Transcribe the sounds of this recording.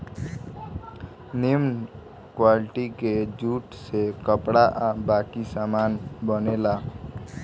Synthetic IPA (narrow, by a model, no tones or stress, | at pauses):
nemn | kwaliʈiked͡ʒuʈsekəpɽaʔabakisamanbənela